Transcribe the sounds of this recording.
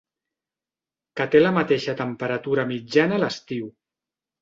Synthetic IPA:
kət̪eləmət̪eʃət̪əmpəɾət̪uɾəmid͡ʒanələst̪iw

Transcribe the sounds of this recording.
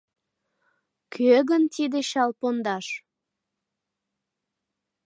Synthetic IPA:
kʰøɣənt̪id̪eɕɑlpond̪ɑʃ

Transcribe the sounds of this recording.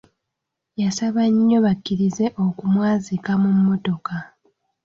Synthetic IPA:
jasaβaɲːo̞βakːiɾize̞ʔokumwaːzikamumːo̞to̞ka

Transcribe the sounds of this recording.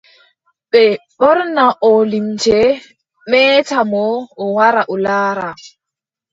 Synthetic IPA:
ɓɛɓɔɾnaʔɔlimt͡ʃɛ | mɛːtamɔːwaɾaʔulaːɾa

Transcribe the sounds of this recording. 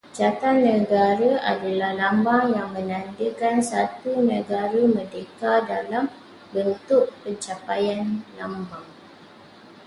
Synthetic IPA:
d͡ʒat̪anːə̃ɡaɾaʔa̰dalahlambaŋjaŋmə̃nãndəkansat̪unə̃ɡaɾamədekadalam | bənt̪ʊʔpəɲt͡ʃapajanlambaŋ

